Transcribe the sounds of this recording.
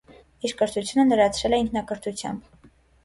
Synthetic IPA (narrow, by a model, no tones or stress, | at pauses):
iɾkəɾt̪ʰut͡sʰjunənəɾɑt͡sʰɾɛlɛiŋkʰnɑkəɾt̪ʰut͡sʰjɑ̰mb